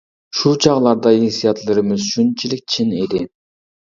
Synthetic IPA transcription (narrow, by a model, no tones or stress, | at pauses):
ʃut͡ʃʰɑʁlˠɑɾd̪ɑinsijɑt̪lˠɯɾɯmɯzʃynt͡ʃʰilik̚t͡ʃʰined̪ɪ